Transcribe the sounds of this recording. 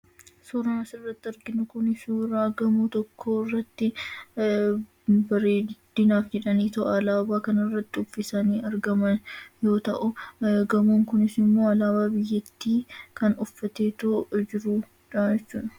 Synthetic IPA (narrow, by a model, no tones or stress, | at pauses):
soɾanɐsɪrːɐt̪ːɪɐɾɡɪnʊkʊnɪsoɾaːɡɐmuːt̪ɔkʰːoːɪrːɐt̪ːɪ | bɐɾeːd̪̥ɪnaːfd͡ʒɛᶑɐniːt̪ɔːɐlaːbaːkɐnɐɪrːɐt̪ːɪʊfːɪsaːniːɐɾɡɐmɐnjo̞ːt̪ɐʔʊɡɐmuːŋkʊnɪsɪmːo̞ːɐlaːbaːbɪjːɐt̪ːiːkɐnʊfːɐt̪eːt̪oːd͡ʒɪɾu | ᶑɐd͡ʒɛt͡ʃːuːᶑɐ̥